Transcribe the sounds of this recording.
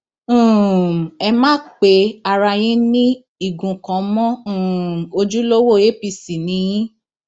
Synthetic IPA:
ɛ˧mãː˦k͡pe˨˦a˧ɾa˧j̃ĩ˦nĩ˦ | i˨ɡũ˨kã˨˦mɔ̃˦˨ | o˧d͡ʒu˦lo˦wo˦˨je˦pi˧˨si˨nĩ˨˧˦j̃ĩ˦

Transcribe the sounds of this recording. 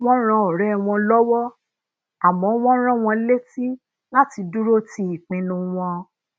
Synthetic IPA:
w̃ɔ̃˦ɾ̃ã˧ɔ˨ɾɛ˦˧w̃ɔ̃˧lɔ˦wɔ˦ | a˨mɔ̃˨˦w̃ɔ̃˦ɾ̃ã˦w̃ɔ̃˧le˦ti˦ | la˦ti˧du˦ɾo˦ti˧˦i˨k͡pĩ˨˧nũ˧w̃ɔ̃˧

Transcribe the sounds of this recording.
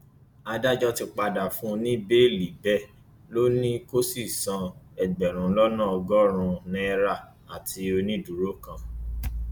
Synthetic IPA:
a˧da˦˨d͡ʒɔ˦ti˧k͡pa˧da˨fũ˦˧nĩ˦be˦˨li˨bɛ˦˨ | lo˦nĩ˦ko˦si˦˨sã˧ɛ˧ɡ͡bɛ˨ɾ̃ũ˨˦lɔ˦nã˦˨ɔ˧ɡɔ˦ɾ̃ũ˧nĩ˦˧ɾa˦˨ | a˨tʰi˧˦o˧nĩ˦du˨˦ɾo˦kã˧

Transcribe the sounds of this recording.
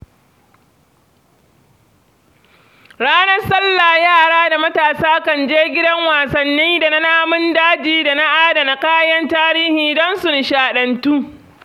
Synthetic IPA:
ɽaː˦nɐ˦rsɐ˦lːa˨jaː˦˨ɽaː˦da˨mɐ˦taː˨saː˦kɐ˨nd͡ʒeː˦ɡʲɪ˦dɐ˦ŋwaː˨sɐ˨nːiː˦da˨na˦naː˦mʊ˦ndaː˦d͡ʒiː˨da˨na˦ʔaː˦da˨na˨kaː˦jɐ˦ntaː˦ɾiː˦hiː˨dɔ˦nsʊ˨n˨ʃaː˨ɗɐ˨ntuː˦

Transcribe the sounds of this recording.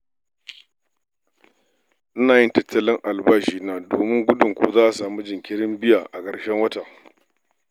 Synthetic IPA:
ʔɪ˦naː˨jɪ˦ntɐ˦tːɐ˦lɪ˦ŋʔa˨lbaː˦ʃiː˨naː˦doː˨mɪ˦ŋɡʷʊ˦dʊ˨ŋkʷo̰ː˦zaː˦ʔa˨saː˨mu˦d͡ʒɪ˨ŋkʲɪ˦ɽɪ˦mbɪ˦jaː˨ʔa˨kɐ˨ɽʃɛ˦ŋwɐ˦ta˨

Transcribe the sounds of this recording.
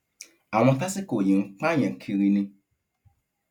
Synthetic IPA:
a˨w̃ɔ̃˧ta˦si˦ko˨jĩ˨ŋ̩˦k͡pa˦ɲ̃ɛ̃˨kʰi˧ɾi˧nĩ˧

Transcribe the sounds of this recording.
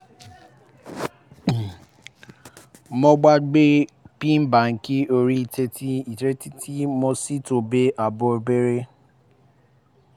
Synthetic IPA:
mɔ̃˧ɡ͡ba˦ɡ͡be˦pĩ˦m̩˦ba˨ŋ̩˨ki˦o˧ɾi˦i˨te˧ti˦i˨tɾe˦ti˦ti˦mõ˧si˦to˨be˦ʔa˨bɔ˧be˦ɾe˦

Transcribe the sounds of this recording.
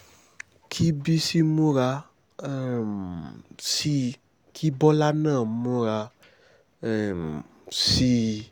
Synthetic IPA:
kʰi˦bi˦si˦mũ˦ɾa˧˨ | si˦ | kʰi˦bɔ˦la˦nã˦˨mũ˦ɾa˧˨ | si˧˦

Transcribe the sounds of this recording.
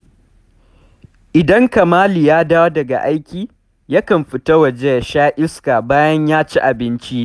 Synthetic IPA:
ʔɪ˨dɐ˦ŋkɐ˨maː˦liː˨jaː˦daː˦wa˦dɐ˨ɡa̰˨ʔa˦jkʲiː˦ | jɐ˦kɐ˨mɸɪ˨tɐ˦wɐ˨d͡ʒe˦jʃaː˦ʔɪ˦skaː˨baː˦jɐ˦ɲjaː˦t͡ʃi˦ʔa˨bɪ˦nt͡ʃi˦

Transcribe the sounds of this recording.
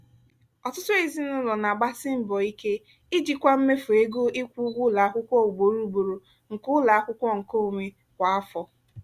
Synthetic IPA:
ɔ˨tʊ˦tʊ˦i˨zi˦nʊ˦lɔ˨na˨ɡ͡ba˦sɪ˦m̩˦bɔ˨i˦ke˦ | ɪ˦d͡ʒi˨kʷa˦m̩˦me˦fu˨e˦ɡo˦ʔɪ˦kʷu˦ɡʷʊ˦la˨a˦kʷʊ˦kʷɔ˦u˨ɡ͡bo˨˦ɾu˦ɡ͡bo˨ɾo˨ | ŋ̩˨kʊ˦la˨a˦kʷʊ˦kʷɔ˦ŋ̩˨ko˦˨ŋʷe˦ | kʷa˨a˦fɔ˦

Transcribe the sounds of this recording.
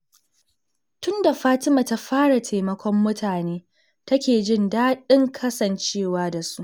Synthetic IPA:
tʊ˦nda˨ɸaː˦tɪ˦ma˨ta˦ɸaː˦ɽa˨tʰeː˨mɐ˦kʷʰɔ˦mːʊ˦tʰaː˨neː˦ | tɐ˦kʲeː˨d͡ʒɪ˦ndaː˦ɗɪ˦ŋkʰɐ˦sɐ˨nt͡ʃeː˦˨waː˦da˨su˦ʔ

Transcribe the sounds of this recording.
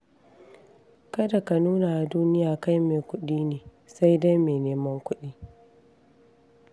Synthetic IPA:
kɐ˦da˨ka˨nuː˦na˨ʔa˨duː˦nɪ˦jaː˨ka˦jmeː˨kʷʊ˦ɗiː˦neː˨ | sa˦jda˦jmeː˨neː˦mɐ˦ŋkʷʊ˦ɗiː˦

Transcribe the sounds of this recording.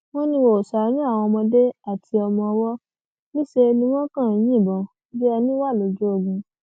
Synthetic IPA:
w̃ɔ̃˦nĩ˧wo˨o˨sa˨a˨˧˦nĩ˦a˦˨w̃ɔ̃˧mɔ̃˧de˦a˦˨tʰi˧ɔ˧mɔ̃˧ɔ˧wɔ˦ | nĩ˦ʃe˧nĩ˧w̃ɔ̃˦kã˦˨j̃ĩ˦˨bɔ̃˨ | be˦ɛ˧nĩ˦wa˦˨lo˨d͡ʒo˦o˦˨ɡũ˧

